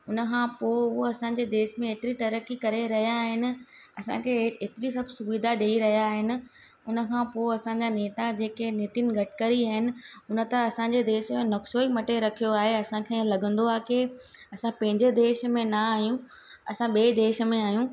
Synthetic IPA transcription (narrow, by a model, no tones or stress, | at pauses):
ʊnə̆kʰãːpooɐsãːɲd͡ʑed̪eːʃmẽɦeːt̪ɪɾit̪ɐɾəkikɐɾeɾɐɦijaɦɪnɪ̆ɐsã̰kʰeet̪ɪɾisɐbʱsʊʋid̪ʱaɗeiɾɐɦijaɦɪnɪ̆ | ʊnə̆kʰãːpoːɐsãːɲd͡ʑaneːt̪ad͡ʑeːkeneːt̪inɡʱɐʈɪ̥kɐɾiaːɦɪnɪ̆ʊnə̆t̪ɐɐsãɲ̆d͡ʑed̪eːʃmẽnɐksoːimɐʈeɾɐkʰijoaːɦeɐsãkʰẽlɐɡə̃nd̪oaːke | ɐsãpɐ̃ɦɪ̃ɲd͡ʑed̪eːʃmẽnaaːɦjũ | ɐsãɓeːd̪eːʃmẽaːjũː